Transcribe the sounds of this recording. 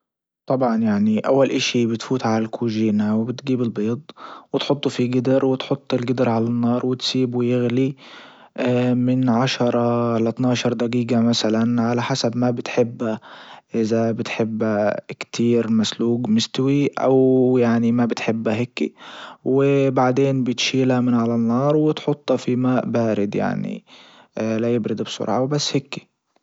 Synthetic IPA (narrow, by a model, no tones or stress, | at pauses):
t̪ˤɑbʕɑnjaʕniʔawːalʔaʃibɪt̪fuːt̪ʕalalkʰuːʒiːnawɪbɪt̪ɡiːbɪlbeːt̪ˤwɪt̪ħʊt̪ˤːufiɡɪd̪ɪɾwɪt̪ħʊt̪ˤːɪlɡɪd̪ɪɾʕalanːɑːɾˤwɪt̪siːbujɪɣli | mɪnʕaʃɑɾˤɑlat̪nɑːʃɑɾˤd̪aɡiːɡamasalanʕalaħasabmabɪt̪ħɪbːaʔɪzabɪt̪ħɪbːakt̪ʰiːɾmasluːɡmɪst̪wiʔa̰wjaʕnimabɪt̪ħɪbːaɦɪkːḭwɪbaʕd̪eːnbɪt̪ʃiːlamɪnʕalanːɑːɾˤwɪt̪ħʊt̪ˤːɑfimaːʔbaːɾɪd̪ja̰ʕnḭ | lajɪbɾɪd̪bsʊ̰ɾʕa̰wbasːhɪkːi̥